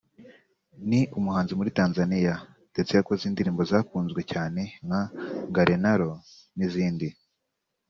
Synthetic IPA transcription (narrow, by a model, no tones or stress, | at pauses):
niumuhaːnzimuɾitaːnzanija | d̥e̞t͡se̞jakoziːndiɾiːmbo̞zaːkuːnzɡwe̞caːne̞ŋaŋɡaɾenaɾo̞ | niziːndi